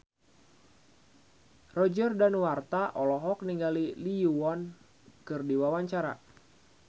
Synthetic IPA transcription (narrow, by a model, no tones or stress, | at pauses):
rɔd͡ʒərdanwart̪aʔɔlɔɦɔk̚niŋɡaliliuɔn | kɨrdiwawaɲt͡ʃaɾa̰